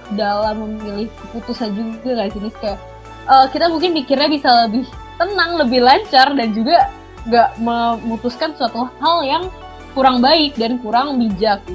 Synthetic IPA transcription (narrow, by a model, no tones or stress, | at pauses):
dalaməmilɪhkəput̪usand͡ʒuɡakad͡ʒənɪska | əːkit̪amuŋkɪnpikɪrɲabisaləbɪht̪ənaŋləbɪhlaɲt͡ʃardand͡ʒuɡa | ŋɡaʔməmut̪uskansuat̪uhaljaŋ | kuɾaŋbaɪk̚dankuɾaŋbid͡ʒak̚